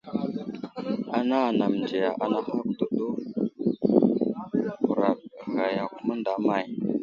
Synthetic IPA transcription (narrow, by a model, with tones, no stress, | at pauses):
a˦na˦˨na˨m˨nd͡ʒe˨ja˨ʔa˨na˦ha˦k̚do˨do˦ | ku˨ɾa˨ɣa˨ja˨ku˦ma˦nda˨˦ma˨j